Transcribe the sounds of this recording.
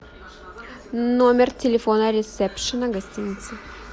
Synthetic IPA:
nomʲɪrtʲɪlʲɪfonəɾʲɪsɛpʂɨnəɡɐsʲtʲinʲɪt̪sɨ

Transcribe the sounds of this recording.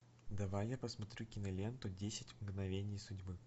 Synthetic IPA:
d̪ɐvajːapəsmɐt̪ɾʲukʲɪnɐlʲent̪ʊdʲesʲɪtʲmɡnɐvʲenʲɪjsʊdʲbɨ

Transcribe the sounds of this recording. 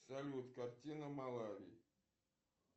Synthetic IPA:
salʲiut̪kartʲinəmalˠaɾʲḭ

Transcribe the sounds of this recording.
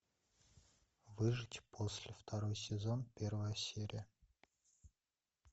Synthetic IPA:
vɨʐɨtʲpʰosʲlʲɪft̪ʰɐɾo̞jsʲɪzo̞npʲe̞rvəjəsʲeɾʲɪ̰jə

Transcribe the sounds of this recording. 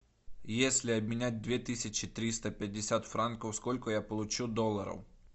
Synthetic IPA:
jesʲlʲɪɐbmʲɪnʲæt̚ʲd̪vʲet̪ɨsʲɪt͡ɕɪt̪ɾʲist̪əpʲɪdʲːɪsʲat̪fɾankəwskolʲkʊjapəlˠʊt͡ɕud̪olˠːəɾə̰w

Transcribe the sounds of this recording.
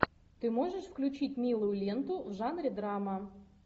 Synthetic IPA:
t̪ɨmoʐəʂfklʲʉt͡ɕitʲmʲilˠʊjʊlʲent̪ʊvʐɑnɾʲɪd̪ɾɑmɐ

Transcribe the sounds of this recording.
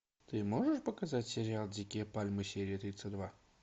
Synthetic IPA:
t̪ɨmoʐəʂpəkɐzatʲsʲɪɾʲɪalˠdʲɪkʲepalʲmɨsʲeɾʲɪət̪ɾʲit̪səd̪va

